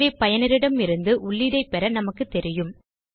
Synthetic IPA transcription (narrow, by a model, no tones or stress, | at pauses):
eːpɐjɐnɪɾɪɽɐmɪɾɯnd̪ɯʔʊɭːɪɽɐɪpɛɾɐnɐmɐkːɯt̪ːɛɾɪjɯm